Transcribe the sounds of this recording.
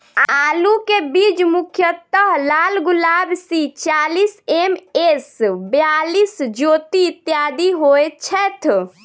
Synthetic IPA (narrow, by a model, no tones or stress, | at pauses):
alukebid͡ʒmukʰjət̪əɦlalɡulabsit͡ʃalisemesbjalisd͡ʒot̪it̪jad̪iɦojet͡ʃʰɛt̪ʰ